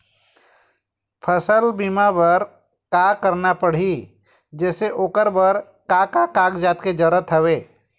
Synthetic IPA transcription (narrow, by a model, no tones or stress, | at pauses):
pʰəsəlbimabəɾ | kakəɾnapəɽ̤ɦi | d͡ʒɛːseʔoːkəɾbəɾ | kakakakd͡ʒaːt̪ked͡ʒəɾət̪ɦəʋeː